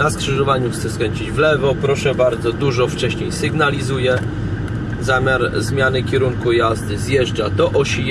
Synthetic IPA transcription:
naskʂɘʐɔvaɲuxt̪sɛskɾɛɲʲt͡ɕid͡ʑvlɛvɔpɾɔʂɛbaɾd̪zɔd̪uʐɔft͡ʂɛɕɲejsɘɡnalʲizujɛ | zamʲjaɾzmʲjanɘkʲɛɾuŋkujazd̪ɘzjɛʐd͡ʐad̪ɔʔɔɕi

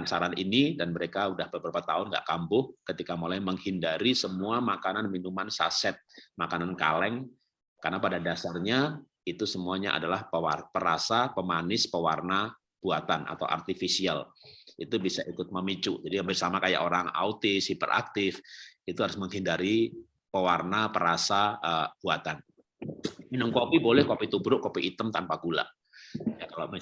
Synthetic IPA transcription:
nsaɾaninidanməɾekaudahbəbəɾubat̪aʊnɡa̰ʔkambʊhkət̪ikamolajməŋhindaɾisəmuamakananminumansa̰sɛt̪̚makananka̰lɛŋ | karnapadadasarɲa | it̪usəmuaɲaʔa̰dalahpəwapəɾasapəmanɪspəwarna | b̥uat̪anʔa̰t̪awʔa̰rt̪ifisialʔit̪ubisaʔikʊt̪̚məmit͡ʃud͡ʒadiɡambɪrsamakaja̰ʔoɾaŋa̰ut̪ɪshipə̰ɾʔa̰k̚t̪ɪfit̪uɦaɾʊsməŋɦindaɾi | pəwarnapəɾasaəb̥uat̪an | inəŋkopibolɛhkopit̪ubɾʊʔkopiʔːt̪əmt̪anpaɡula̰ | jakalam

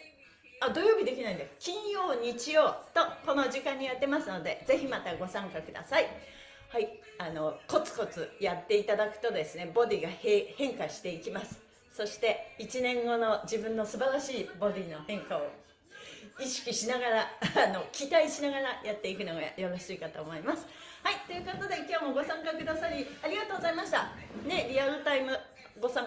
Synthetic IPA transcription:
ad̪o̞jo̞ːbʲid̪e̞kʲinaĩd̪ekʲĩɰ̃jo̞ːɲ̟it͡ɕijo̞ːt̪o̞ko̞no̞ʑikãɲ̟ːijat̪ːe̞masɨno̞d̪e̞d͡ze̞çimat̪aɡo̞sãŋkakɯ̟d̪a̰sai | hai | ano̞ko̞t͡sɨ̥ko̞t͡sɨjat̪ːe̞it̪ad̪akɯ̟̥t̪o̞d̪e̞sɨne̞bo̞d̪ʲiːɡahehẽ̞ŋkaɕi̥t̪e̞ikʲimasɨ̥ | so̞ɕi̥t̪e̞it͡ɕinẽ̞ŋɡo̞no̞d͡ʑibɯ̟̃nːo̞sɨbaɾaɕiːbo̞d̪ʲiːno̞hẽ̞ŋkao̞ | iɕi̥kʲiɕinaɡaɾaːno̞kʲit̪aiɕinaɡaɾajat̪ːe̞ikɯ̟no̞ɡa̰jo̞ɾo̞ɕiːkat̪o̞ːmo̞imasɨ̥ | hait̪o̞jɯ̟ko̞t̪o̞d̪e̞kʲo̞ːmo̞ɡo̞sãŋkakɯ̟d̪asaɾʲiaɾʲiɡat̪oːɡozaimaɕi̥t̪ane̞ɾʲiaɾɯ̟t̪aimɯ̟ | ɡo̞sãŋ

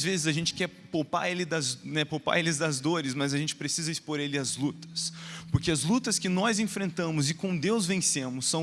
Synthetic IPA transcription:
zvezɪzɐʒẽnt͡ʃɪ̥kɛɾpowpa̰ɾelɪd̪ɐznɛpowpa̰ɾelɪzd̪ɐzd̪oɾɪzmɐzɐʒẽnt͡ʃɪ̥pɾesizɐispoɾelɪɐzlut̪ɐ̥spoɾkeɐzlut̪ɐskɪnɔzẽfɾẽnt̪ɐ̃mʊzɪkõd̪ewzvẽsẽmʊsːɐ̃

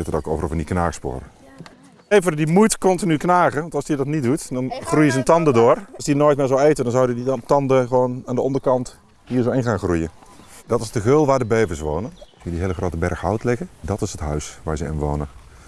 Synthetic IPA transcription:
ɪtətoːkoːvərɔvəniknaːɣəspʊ̰ːɾə | eːvərdimujtkɔntinyknaːɣəʋɔntɑlˠsdiədɔtnit̚dutdɔnxrujəzəntɑndədʊːrsdinoːjtmɪːzoweːtədɔnzawdəditɑndəxʋoːnaːndəɔndərkɑnt | hiːrzoɪnxaːnxrujədɔtɪsdəɣølˠʋaːdəbeːvəsʋoːnənkiədiɦeːləxroːtəbɛrxhɔwtlɪɣədɔtɪsɦətɦœɥsʋaːɹzəɪ̰nʋo̰ːnə

